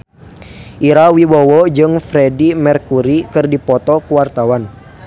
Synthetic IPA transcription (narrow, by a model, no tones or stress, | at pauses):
ʔiɾawibɔwɔd͡ʒɨŋfɾɛdimɛrkuɾikɨrdipɔt̪ɔkuwart̪awan